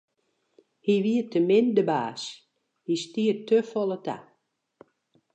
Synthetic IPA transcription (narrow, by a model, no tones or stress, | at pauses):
hiʋiətʰəmɪndəbaːs | histiətøfɔlˠətʰa̰